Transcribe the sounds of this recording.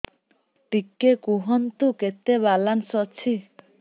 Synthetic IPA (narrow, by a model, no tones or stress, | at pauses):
ʈikːekuɦʌnt̪uket̪ebalansʌt͡sʰi